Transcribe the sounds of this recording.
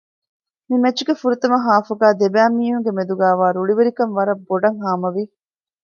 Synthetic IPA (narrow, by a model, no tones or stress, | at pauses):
mimɐt͡ʃːuɡefuɾut̪ɐmɐɦaːfuɡæːd̪ebæːmiːɦuŋɡemed̪uɡæːʋaːɾuɭiʋeɾikɐnʋɐɾɐbːoɖɐŋɦaːmɐʋi